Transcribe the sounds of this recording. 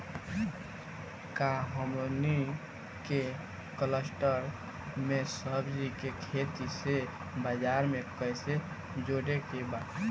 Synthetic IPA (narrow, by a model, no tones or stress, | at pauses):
kaɦəmoni | ke | kələsʈəɾ | mesəɦbd͡ʒɾikekʰet̪ise | bəd͡ʒaɾmekəjse | d͡ʒoɽekeba